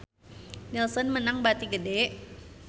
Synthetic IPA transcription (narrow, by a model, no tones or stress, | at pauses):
nilsɔnmənaŋbat̪iɡədɛʔ